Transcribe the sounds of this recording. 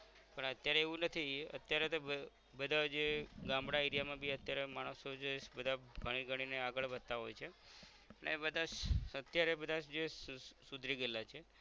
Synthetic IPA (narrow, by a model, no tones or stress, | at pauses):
pəɳət̪jaɾeːʋũnət̪ʰiə̰t̪jaɾet̪o | bəd̪ʱad͡ʒeɡãmɽaeɾijamãbʱiət̪jaɾemaɽ̃əsod͡ʒebəd̪ʱaɡʱəɽ̃iɡʱəɽ̃ineaɡəɭʋəd̪̚t̪aɦojt͡ʃʰe | ənḛbəd̪ʱaət̪jaɾebəd̪ʱad͡ʒesud̪ʱɾiɡəlat͡ʃʰe